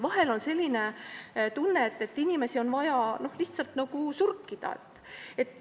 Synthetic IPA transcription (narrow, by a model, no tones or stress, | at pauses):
vɑɦe̞lo̞nse̞lʲːine̞t̪unːeet̪ːe̞t̪ːinʲime̞sio̞nvɑjɑno̞hliht̪sɑlt̪nɑɡ̥usurkːid̪̥ɑ̰ḛt̪ːˑ | e̞t̪ːˑ